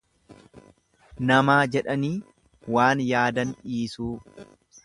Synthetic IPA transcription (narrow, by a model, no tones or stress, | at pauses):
nɐmaːd͡ʒɛᶑɐniː | waːnjaːd̪ɐnʔiːsuː